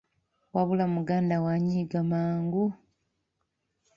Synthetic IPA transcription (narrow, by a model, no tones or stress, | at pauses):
waβulamuɡaːndawaɲiːɡamaːŋɡu